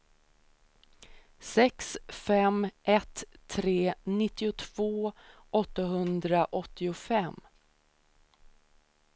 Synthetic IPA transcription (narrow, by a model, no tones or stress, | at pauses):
sɛksfɛmʔɛt̪ʰːɾeːnɪt̪ːɪʊt̪ʰv̥oːʔɔt̪ːaɦɵnd̪ɾaʔɔt̪ːɪʊfɛmː